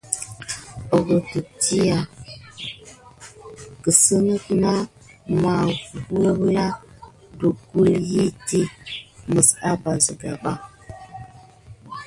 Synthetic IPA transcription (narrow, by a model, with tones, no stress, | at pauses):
o˨ɡə˨tə˨ti˦ja˨ | kə˨sə˦nə˦kna˦ | ma˨u˦ə˦bla˦ | du˨ɡu˦lji˦ti˦mə˨sa˦ba˨zə˨ɡa̰˨ɓa˦